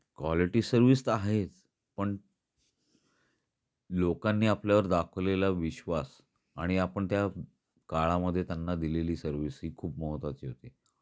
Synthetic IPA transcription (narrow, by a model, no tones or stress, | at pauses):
kʋaliʈiːsəɾʋiːst̪aɦet͡s | pəɳ | lokanːiːapljaʋəɾd̪akʰʋlelaʋiɕʋas | aɽ̃iapəɳt̪ja | kaɭaməd̪ʱːjet̪janːad̪ileliːsəɾʋisɦiːkʰuːp̚məɦət̪ʋat͡ɕiːɦot̪iː